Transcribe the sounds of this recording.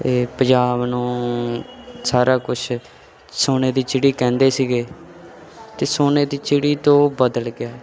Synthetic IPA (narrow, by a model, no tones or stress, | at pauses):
eːpəd͡ʒaːbnũː | saːɾaːkʊt͡ʃʰ | soːneːd̪iːt͡ʃɪɽiːkɛ̃ːnd̪eːsiːɡeː | t̪eːsoːneːd̪iːt͡ʃɪɽiːt̪õːbəd̪əlɡɪjaː